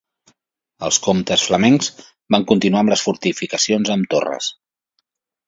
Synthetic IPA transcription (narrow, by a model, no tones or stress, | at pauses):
əlˠskomt̪əsfləmɛŋz̥ | baŋkunt̪inuamləsfuɾt̪ifikəsionzəmt̪o̰rə̰s